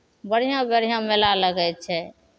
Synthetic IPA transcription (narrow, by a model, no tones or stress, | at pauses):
bəɽ̤ijãbəɽ̤ijãmelaləɡɛt͡ʃʰɛ